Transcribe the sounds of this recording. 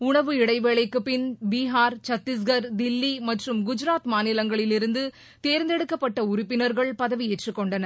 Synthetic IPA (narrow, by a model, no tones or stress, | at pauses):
ʊɳɐʋɯɪɽɐɪʋɛɭɐɪkːɯpɪnbiːɦaːɾt͡ʃɐt̪ːɪs̬ɡɐɾd̪ɪlːimɐʈrɯmɡʊd͡ʒɪɾaːt̪maːnɪlɐŋɡɐɭɪlɪɾɯnd̪ɯ | t̪eːɾnd̪ɛɽɯkːɐpːɐʈːɐʊɾɪpːɪnɐɾɣɐɭpɐðɐʋieʈrɯkːɔɳɖɐnɐ